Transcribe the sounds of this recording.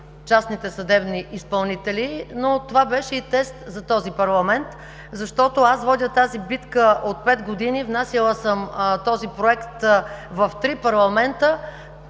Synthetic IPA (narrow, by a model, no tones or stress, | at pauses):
t͡ʃasnit̪ɛsɐd̪ɛbniʔispɐlˠnit̪ɛlinot̪ovabɛʃɛit̪ɛst̪zɐt̪ɔzipɐɾlˠɐmɛnt̪ | zɐʃt̪ɔt̪oasvɔd̪ʲət̪azibit̪kəʔot̪̚pɛt̪ɡod̪inivnasilˠəsəmt̪ɔzipɾoɛkt̪vɐft̪ɾipɐɾlˠɐmɛnt̪ə